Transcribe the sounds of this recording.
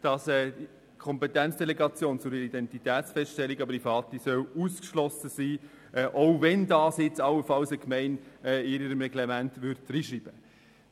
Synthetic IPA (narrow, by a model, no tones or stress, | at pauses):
d̥ɑsɛːdi | kʰɔmpɛtænt͡sd̥ɛlɛɡɑt͡sjoːnt͡sʊɾidɛntitɛːtsfɛstʃtɛlːiɡɑbəɾifɑːt̪isœwuskʃlɔsəsiː | ʔɛːʔoʊvɛndɑːsjɪt͡sɑwəfɑlsəkmɛɪnɛɪɾiɾəmɾɛɡlemæntʋʏɾt̚d̥ɾiːʃɾib̥ə